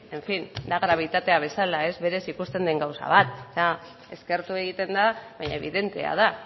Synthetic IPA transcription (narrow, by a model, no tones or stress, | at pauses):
e̞ɱfind̪aɣɾaβ̞it̪at̪e̞aβ̞e̞salae̞zβe̞ɾe̞sikust̪e̞nd̪eŋɡawsa̰β̞at̪̚sa | e̞ske̞ɾt̪ue̞ɣ̞it̪e̞nd̪aβajɲa̰eβiðe̞nt̪e̞̰a̰ða